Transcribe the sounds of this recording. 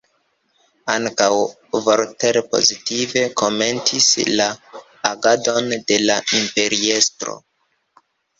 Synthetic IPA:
aŋkaw | voɾteɾpo̞̰zitive̞kʰo̞me̞ntisla | aɡado̞nde̞laʔimpe̞ɾie̞stɾo̰

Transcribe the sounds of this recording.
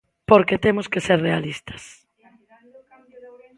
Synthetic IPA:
poɾket̪emʊskeseɾrealist̪ʰḁs

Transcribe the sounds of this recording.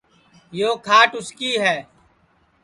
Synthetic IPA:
joːkʰaːʈʊskiːɦɛː

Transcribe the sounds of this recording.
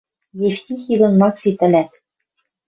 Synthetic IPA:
jeftʲixiɣɤ̆nmɑksit̪ɘ̆lʲæt̪

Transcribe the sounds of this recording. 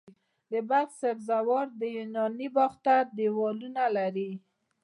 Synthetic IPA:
d̪əbalxsabzawɑɾd̪əjunɑnibɑxt̪ad̪ewɑlunalaɾi

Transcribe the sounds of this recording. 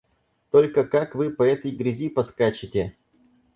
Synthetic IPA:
t̪olʲkəkakvɨpɐɛt̪əjɡɾʲɪzʲipɐskat͡ɕɪtʲɪ

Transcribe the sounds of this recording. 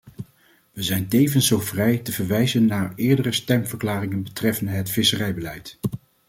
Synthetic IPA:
ʋəzɛjntejvənsowvrɛjtəvəɹʋɛjzənːaːɹɪːɹdərəstɛmvəɹklaːrɪŋənbətrɛfəndəɦətfɪsərɛjbəlɛjt

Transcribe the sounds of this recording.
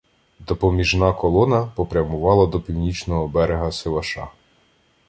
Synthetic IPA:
d̪ɔpɔmʲiʒnɑkɔlˠɔnɐpɔpɾʲɐmʊʋɑlˠɐd̪ɔpʲiwnʲit͡ʃnɔɦɔbɛɾeɦɐsɪlˠɐʃɑ̰

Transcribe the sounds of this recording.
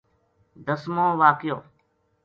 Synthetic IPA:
d̪əsmõːʋaːkjoː

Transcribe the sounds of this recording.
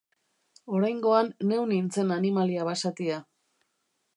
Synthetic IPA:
o̞ɾajŋɡo̞anːe̞wnint͡se̞nanimaliaβasat̪ia

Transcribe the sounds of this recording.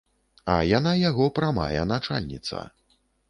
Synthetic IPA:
ɐ̰janajaɣɔpɾama̰jɛ̰nat͡ʂa̰lʲnʲit̪sɐ̰

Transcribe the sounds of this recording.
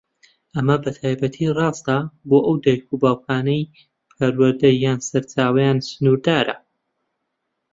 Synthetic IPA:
ʔɐmɐbɐt̪ʰaːjbɐt̪ʰirˤɑːst̪aboːʔɐwd̪ajkʰubaːwkʰaːnɐj | pʰɐɾwɐɾd̪ɐjːaːnsɐɾt͡ʃaːwɐjaːnsɨnuːɾd̪aːɾɐ̰

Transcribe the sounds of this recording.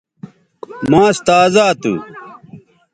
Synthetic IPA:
mãːst̪aːzaːt̪ṵː

